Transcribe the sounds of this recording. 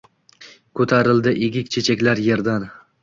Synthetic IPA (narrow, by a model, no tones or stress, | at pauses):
kʰɵt̪ʰaɾɪld̪ɪʔeɡʲɪkʲt͡ʃʰe̞t͡ʃʰakʲlaɾje̞ɾd̪an